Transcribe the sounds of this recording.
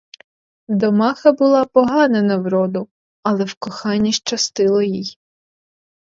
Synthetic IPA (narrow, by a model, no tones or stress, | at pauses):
d̪ɔmɑxɐbʊlˠɑpɔɦɑnenɐwɾɔd̪ʊ | ɐlˠɛwkɔxɑnʲːiʃt͡ʃɐst̪ɪlˠɔjij